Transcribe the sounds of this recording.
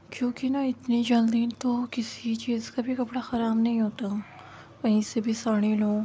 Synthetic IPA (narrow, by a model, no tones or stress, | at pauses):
kjõːkinaɪt̪nid͡ʒɐld̪iːnt̪okɪsit͡ʃiːzkabʱikɐpɽaxɐɾaːbnɐɦĩɦoːt̪ã | kɐɦĩsebʱisaːɽ̃ilõː